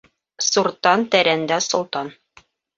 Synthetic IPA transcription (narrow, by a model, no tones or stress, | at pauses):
suɾt̪ɑnt̪æɾænd̪æsŏlˠt̪ɑn